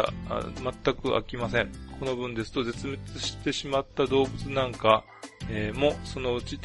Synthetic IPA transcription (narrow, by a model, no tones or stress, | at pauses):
mat̪ːakɯ̟ʔa̰kʲimasẽ̞ŋkʰo̞no̞bɯ̟̃nd̪e̞sɨ̥t̪o̞ze̞t͡sɨme̞t͡sɨɕi̥t̪e̞ɕimat̪ːad̪o̞ːbɯ̟t͡sɨnãŋka | eːmo̞so̞no̞ɯ̟t͡ɕit̪